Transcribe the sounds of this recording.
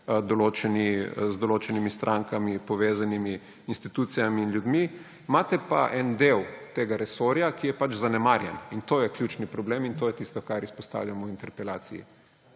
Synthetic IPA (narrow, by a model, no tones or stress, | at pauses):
d̪ɔloːt͡ʃɛnizd̪oloːt͡ʃɛnimist̪ɾʔaŋkamipɔʋeːzanimiː | nst̪it̪uːt̪sijamiːnljud̪mi | maːt̪ɛpa̰ʔɛnd̪ewt̪eːɡaɾɛsoɾjakijɛpat͡ʃzanɛmaɾjɛ̰nint̪oːjɛklʲjuːt͡ʃnipɾɔblemint̪oːjɛt̪ist̪ɔkaɾispɔst̪a̰ːwlʲjamɔwint̪ɛɾpɛla̰ːsḭjḭ